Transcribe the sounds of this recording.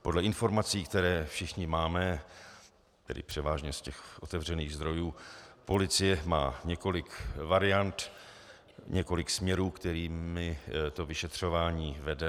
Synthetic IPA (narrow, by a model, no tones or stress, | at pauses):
po̞dlɛɪnfo̞ɾmat͡siːkt̪ɛɾɛːfʃɪxɲɪmaːmɛ | t̪ɛ̰dɪ̰pr̥ɛvaːʒɲɛscɛxʔo̞t̪ɛvr̝ɛniːɣzd̪ɾo̞juːpo̞lɪt͡sɪjɛma̰ːɲɛko̞lɪkvaɾɪjant̪ | ɲʔɛko̞lɪksmɲɛɾuːkt̪ɛɾiːmɪt̪o̞vɪʃɛt̪r̝̥o̞vaːɲiːvɛdɛ